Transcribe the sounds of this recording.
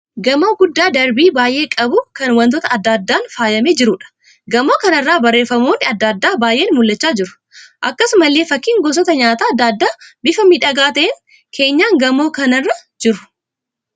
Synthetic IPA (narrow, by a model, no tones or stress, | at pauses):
ɡɐmoːɡʊd̪ːaːd̪ɐɾbiːbaːjʔe̞ːkʼɐbʊkɐnwɐnt̪ɔt̪ɐɐd̪ːaːd̪ːaːnfaːjɐmeːd͡ʒɪɾʊᶑɐ̥ | ɡɐmo̞ːkɐnɐrːaːbɐrːe̞ːfɐmoːnːɪɐd̪ːaːd̪ːaːbaːjʔe̞ːnmʊlːɐt͡ʃːaːd͡ʒɪɾʊ̥ | ʔɐkːɐsmɐlːeːfɐkːiːŋɡɔs̬ɔt̪ɐɲaːt̪aːɐd̪ːaːd̪ːaːbɪfɐmiᶑɐɡaːt̪ɐʔeːŋ | kʰe̞ːɲːaːŋɡɐmo̞ːkɐnɐrːɐd͡ʒɪɾʊ̥